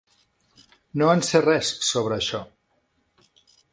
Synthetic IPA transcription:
noənserɛsːoβɾəːʃɔ

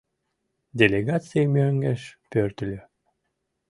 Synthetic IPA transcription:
d̪ʲelʲeɡɑt͡sɨimøŋɡeʃpøɾt̪lʲø

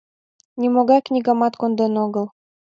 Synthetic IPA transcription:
nʲimoɣɑjknʲiɡɑmɑt̪kond̪enoɣɤ̆lˠ

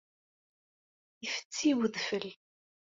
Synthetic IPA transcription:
ifə̥t͡sːiwəðfəl

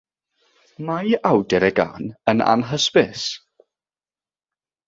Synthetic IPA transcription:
majawdɛɾɛɡa̰ːnəna̰nɦəspɪs

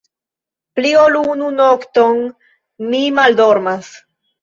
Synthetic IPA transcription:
pliolununokton | mimaldo̞ɾmas

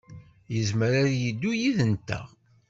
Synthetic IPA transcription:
jəzməɾaɾjid̪ːujiðənt̪ːæ̰

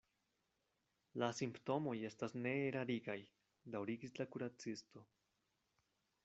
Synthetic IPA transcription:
lasimpto̞mo̞je̞stasne̞ːɾaɾiɡaj | dawɾiɡislakuɾat͡sisto̞

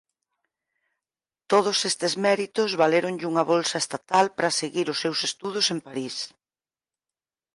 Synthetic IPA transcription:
t̪oð̞ʊsest̪ɪzmɛɾit̪ʊzβaleɾʊŋʎuŋɐβolsɐest̪at̪alpɾɐseɣiɾʊsːewsest̪uð̞ʊsempaɾis

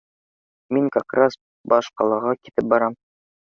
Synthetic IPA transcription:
miŋkɑkras | bɒʃqɑlˠɑʁɑkit̪ɘp̚bɒɾɑm

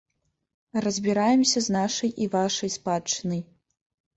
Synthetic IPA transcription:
rɐzʲbʲiɾajɛmsʲɐznaʂɐjʔivaʂɐjspat͡ʂːɨnɐj

